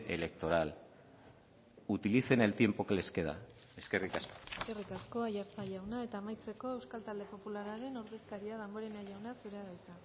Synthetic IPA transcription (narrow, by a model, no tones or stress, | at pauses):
ʔḛle̞kt̪o̞ɾal | ut̪iliθe̞ne̞lt̪je̞mpokle̞ske̞ða̰ | e̞ske̞rikasko̥eske̞rikasko̞ajaɾt͡saʎawnae̞t̪aːmajt͡se̞ko̞e̞wskalt̪ald̪epo̞pulaɾaɾe̞noɾðeskaɾiað̞embo̞ɾe̞najawnasuɾeaðajt͡sa